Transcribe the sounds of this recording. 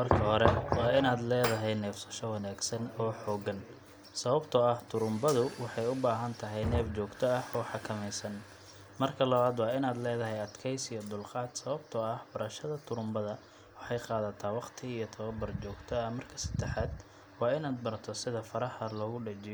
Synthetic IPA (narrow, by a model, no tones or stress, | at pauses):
mɐrkʰɐhɔɾɛwɑːɪnaːd̪lɛːðɐɦɛjnɛːfsɐʃɔwɐnaːɡsɐnɔːħɔːɡɐn | sɐβɐbt̪ʰɔɐht̪ʰʊɾʊmbɐðʊwɑħɑjʊbaːɦɐnt̪ʰɐɦɛjnɛːft͡ʃɔːɡt̪ʰɔɐhɔːħɑkʰɐmɛjsɐn | mɐrkʰɐlɐβaːd̪wɑːɪnaːd̪lɛːðɐɦɛjɐd̪kʰɛjsijɔd̪ʊlqɑːd̪sɐβɐbt̪ʰɔɐhbɐɾɐʃɐðɐt̪ʰʊɾʊmbɐðɐ | wɑħɑjqɑːðɐt̪ʰaːwɑqt̪ʰɪijɞt̪ʰɐβɐbɐrt͡ʃɔːɡt̪ʰɔɐhmɐrkʰɐ̥sɐ̥d̪̥ɛħaːd̪ | wɑːɪnaːd̪̚bɐrt̪ʰɔsɪðɐfɐɾɐħɐlɔːɣʊɖɐt͡ʃɪjɔ